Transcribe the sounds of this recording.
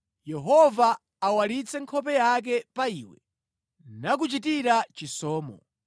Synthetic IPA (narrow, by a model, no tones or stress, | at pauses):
jɛɦɔvaː | walit͡sʰɛŋkʰɔp̬ɛjak̬ɛpaiːwɛ | nak̬ut͡ʃitiɾat͡ʃisɔːmɔ̰